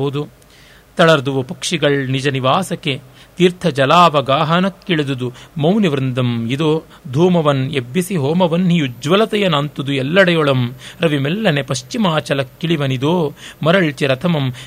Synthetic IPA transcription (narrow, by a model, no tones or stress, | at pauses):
ɐd̪u | t̪ɐɭɐɾd̪uʋɐpɐkʂiɡɐɭnid͡ʒɐniʋaːsɐke | t̪iːɾt̪ʰɐd͡ʒɐlaːʋɐɡaːɦɐnɐkːiɭid̪ud̪umɐwniʋɾɨnd̪ɐmid̪oː | d̪ʱuːmɐʋɐnebːisiɦoːmɐʋɐnɦijud͡ʒʋɐlɐt̪ɐjɐnɐnt̪ud̪uɛlːɐɽɐjɔɭɐmɾɐʋimɛlːɐnepɐʃt͡ʃimaːt͡ʃɐlɐkːiɭiʋɐnid̪oːmɐɾɐɭt͡ʃiɾɐt̪ʰɐmɐm